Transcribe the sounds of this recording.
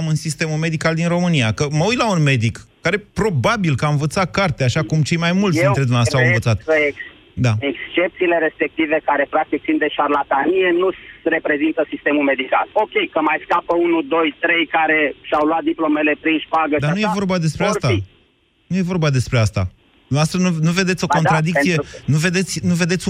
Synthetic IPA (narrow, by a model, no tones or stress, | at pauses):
mɨnsist̪e̞mume̞d̪ikald̪inro̞mɨniakəməujt̪launme̞d̪ikːaɾe̞pɾo̞babilkəaɨnvət̪sat̪̚kart̪eaʃakumt͡ʃe̞jmajmult̪d̪int̪ɾed̪unasawɨnvət̪sat̪̚əe | d̪aekst͡ʃe̞p̚t̪siːle̞ɾe̞spe̞k̚t̪ive̞kaɾe̞pɾak̚t̪ik̪̚sind̪e̞ʃarlat̪anije̞nusre̞pɾe̞zint̪əsist̪e̞mume̞d̪ikalo̞kʲejkəmajskapəunud̪o̞jt̪ɾe̞jkaɾe̞ʃawluat̪̚d̪iplo̞mele̞pɾinʃpaɡəd̪annujevo̞rbad̪e̞spɾeast̪a | nuje̞vo̞rbad̪e̞spɾeast̪a̰ | dd̪unast̪enunuve̞d̪e̞t̪sʲoko̞nɾad̪ik̪̚sije̞nuve̞d̪e̞t̪sʲnuve̞d̪et̪sʲ